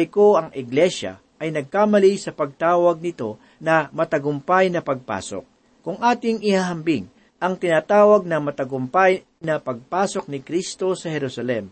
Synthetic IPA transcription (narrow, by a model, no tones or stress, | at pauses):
jkoɐŋʔɪɡlɛʃɐ̰ | ɐjnɐɡ̚kaːmɐlisɐpɐɡ̚t̪aːwɐɡ̚nɪt̪o̞ | nɐmɐt̪ɐɡʊmpajnɐpɐɡ̚pa̰ːso̰k̚ː | ʊŋʔaːt̪ɪŋɪhaːɦɐmbɪŋ | ʔɐŋt̪ɪnaːt̪aːwɐɡ̚nɐmɐt̪ɐɡʊmpaj | nɐpɐɡ̚paːso̞k̚nɪkɾist̪o̞sɐhɛɾusɐlɛm